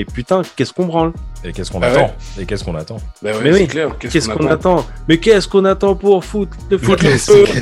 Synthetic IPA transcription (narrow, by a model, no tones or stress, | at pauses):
epyt̪ɛ̃kɛskɔ̃bʁɑ̃lekʲɛskɔ̃nat̪ɑ̃ekɛskɔ̃nat̪ɑ̃bmɛwikɛkɛskɔ̃nat̪ɑ̃mɛkɛskɔ̃nat̪ɑ̃puʁfut̪ləfut̪